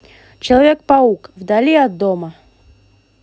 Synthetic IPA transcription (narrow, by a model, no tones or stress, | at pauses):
t͡ɕɪlˠɐvʲek̚pɐukvd̪ɐlʲiɐd̪ːomə